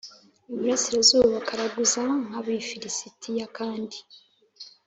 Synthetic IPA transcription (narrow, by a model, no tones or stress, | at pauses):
umiɾesiɾezuːβakʰaɾaɡuzaŋaβifiɾisitʰijakaːndi